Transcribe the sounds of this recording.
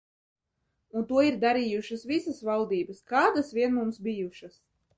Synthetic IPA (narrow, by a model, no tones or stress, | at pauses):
unt̪uɔiɾd̪aɾijuʃasvisasvalˠd̪iːbɐskaːd̪asvʲiɛnmumsbijuʃas